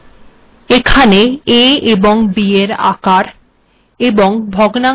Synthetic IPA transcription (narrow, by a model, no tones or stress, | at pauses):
ekʰaneeeboŋbieɾa̰kaɾ | eboŋbʱɔɡna